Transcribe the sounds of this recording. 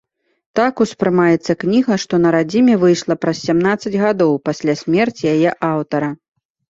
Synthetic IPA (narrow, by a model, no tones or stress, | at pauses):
t̪akuspɾɨmajɛt̪sːɐknʲiɣɐʂt̪ɔnɐɾad͡zʲimʲɛvɨjʂlˠɐpɾɐsʲsʲamnat̪sːɐd͡zʲɣad̪ɔwpasʲlʲasʲmʲɛrt͡sʲjajɛʔawt̪ɐɾɐ